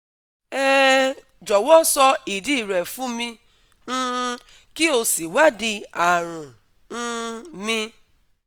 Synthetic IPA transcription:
ɛ˦ | d͡ʒɔ˨wɔ˦sɔ˧i˨di˦˨ɾɛ˨fũ˦mĩ˧˦˧ | ki˦o˧si˨wa˦di˧a˨ɾ̃ũ˨ | n̩˦mĩ˧

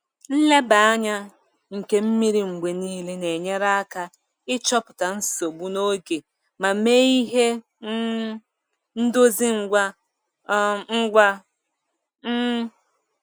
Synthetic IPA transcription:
n̩˦le˦ba˨a˦ɲa˦ | ŋ̩˨ke˦m̩˦mi˦ɾi˨ŋ͡m̩˨ɡ͡be˨niː˦le˦ne˨ɲe˦ɾa˦a˦ka˦ | ɪ˦t͡ʃɔ˦pʊ̥˨ta˨n̩˦so˨bu˦no˦ɡe˨ | ma˨me˦i˦ɦe˦ | n̩˦do˦zi˦ŋ̩˨ɡʷa˦ | ŋ̩˦ɡʷa˦

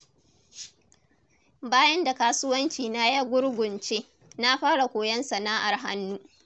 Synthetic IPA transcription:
baː˦jɐ˦nda˨kaː˦sʊ˦wɐ˦nt͡ʃiː˨na˦jɐ˦ɡʷʊ˦ɽɡʷʊ˨nt͡ʃeː˦ | na˦ɸaː˦ɽa˨kʷoː˨jɐ˦nsɐ˨naː˦ʔa˨rɦa̰˦nːuː˦ʔ

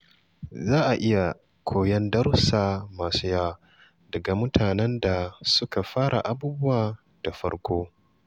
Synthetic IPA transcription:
zaː˦ʔa˨ʔɪ˦ja˨ | kʷʰoː˨jɐ˦ndɐ˦rsaː˨maː˨suː˦jaː˦ | dɐ˨ɡa˨mʊ˦tʰaː˨nɛ˦nda˨sʊ˦ka˨ɸaː˦ɽʔa̰˨ʔa˦buː˦bʊ˦waː˨ | d̥a˨ɸɐ̰˦ɽkʷoː˦

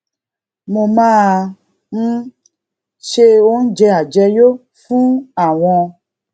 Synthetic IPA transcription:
mõ˨mã˦˨ | ŋ̩˦ | ʃe˧wo˦n̩˦d͡ʒɛ˧a˨d͡ʒɛ˧jo˦ | fũ˦a˨w̃ɔ̃˧

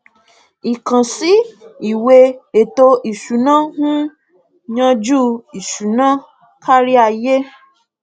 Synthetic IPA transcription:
i˨kã˨si˨˦i˨we˧e˨to˧ʔi˨ʃu˨˦nã˦hũ˦ | ɲã˧d͡ʒu˦i˨ʃu˨˦nã˦ | kʰa˦ɾi˦a˧je˦

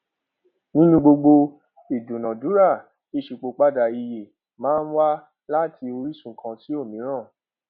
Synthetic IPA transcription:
nĩ˦nũ˧ɡ͡bo˧ɡ͡bo˧ | i˨du˨nã˨du˨˦ɾa˦˨ | i˧˨ʃi˨k͡po˨˧k͡pa˦da˨i˧je˨ | mãː˦˧˦n̩˦wa˦ | la˦ti˧o˧ɾi˦sũ˦˨kʰã˧ti˦o˦˨mĩ˨˦ɾ̃ã˦˨

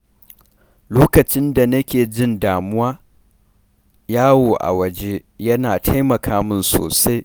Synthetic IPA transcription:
loː˦kɐ˨t͡ʃɪ˦nda˨nɐ˦kʲeː˨d͡ʒɪ˦ndaː˨mʊ˦waː˦ | jaː˦woː˨ʔa̰˨wɐ˨d͡ʒe˦jɐ˦naː˨tʰa˦jmɐ˨kʰaː˦mɪ˦nso̰ː˨sa˦j

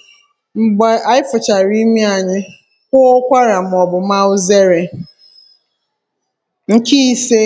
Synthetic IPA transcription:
m̩˨ɡ͡ba˨a˨ɪ˦fʊ˨t͡ʃa˨ɾi˦mi˦a˨ɲɪ˦ | kʷʊ˦kʷa˦ɾa˨m̩˨ɔ˨bʊ˨m˦a˦ʊ˦ze˦ɾe˨ | ŋ̩˨ki˦i˦se˦

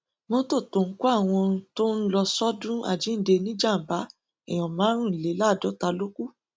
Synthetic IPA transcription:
mɔ̃˧to˦˨to˨ŋ̩˦ku˦a˦˨w̃ɔ̃˧to˦n̩˦lɔ˧sɔ˦dũ˦a̰˨d͡ʒi˨˦n̩˦de˧nĩ˦d͡ʒa˦˨m̩˨ba˨˦ | ɛ̰˨j̃ɔ̃˨mãː˨˦ɾ̃ũ˦˨n̩˨le˨˦la˦˨dɔ˨˦ta˧lo˦ku˦

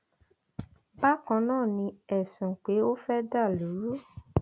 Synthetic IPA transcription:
ba˦kã˧nãː˦˨nĩ˧ɛ˨sũ˨k͡pe˨˦o˦fɛ˦da˦˨lu˨˦ɾu˦

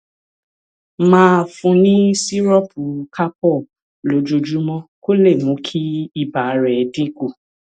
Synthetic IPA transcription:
mãː˦fũ˧nĩ˦si˦ɾɔ˦pʰu˨ka˦pɔ˦˨ | lo˨˦d͡ʒo˧d͡ʒu˨˦mɔ̃˦ko˦le˦˨mũ˨˦kʰi˦i˦˨ba˨˦ɾɛ˨dĩ˦ɡo˦˨

